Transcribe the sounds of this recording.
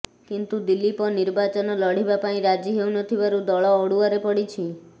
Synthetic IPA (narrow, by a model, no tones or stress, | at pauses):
kint̪ud̪ilːipɔniɾbat͡ʃɔnɔlɔɽ̤ibapaĩɾad͡ʒiɦeunɔt̪ʰibaɾud̪ɔɭɔːɽuaɾepɔɽit͡ʃʰi